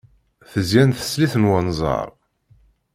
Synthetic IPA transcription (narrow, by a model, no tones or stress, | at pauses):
θəzjænθə̥sliθənwənzˤɑ̰ɾˤ